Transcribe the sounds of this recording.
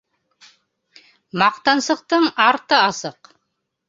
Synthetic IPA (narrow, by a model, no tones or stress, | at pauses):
mɑqt̪ɑnsɤ̆q̚t̪ɤɴɑɾt̪ɤɑsɤq